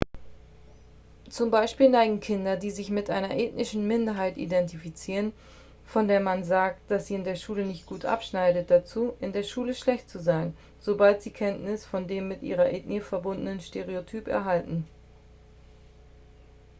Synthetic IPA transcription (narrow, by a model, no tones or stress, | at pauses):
t͡sʊmbaɪʃpiːlnaɪɡŋ̩kʰɪndɐdiːzɪçmɪtʔaɪnɐʔeːtnɪʃn̩mɪndɐɦaɪtḭdɛntifit͡siːʁən | fɔndeːɐmanzaːk̚t̚d̥asz̥iːɪndeːɐʃuːlənɪçt̚ɡ̥uːtʔa̰pʃnaɪdət̚d̥at͡suːʔɪndeːɐʃuːləʃlɛçtt͡suzaɪn | z̥obaltz̥iːkʰɛntnɪsfɔndeːmːɪtʔḭːʁɐʔɛːtniəfɛɐbʊndənənʃteʁ̞eotʰyːpɛ̰ɐɦaltn̩